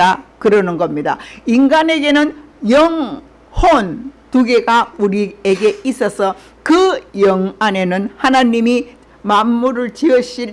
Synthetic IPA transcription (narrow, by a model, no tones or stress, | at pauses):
akɯɾʌnɯnɡʌmɲida̰iŋɡane̞ɡe̞nɯnjʌŋ | hont̪uɡe̞ɡauɾieɡe̞is͈ʌsʰʌ | kɯjʌŋane̞nɯnhanaɲimi | mamːuɾɯɭt͡ɕiʌɕi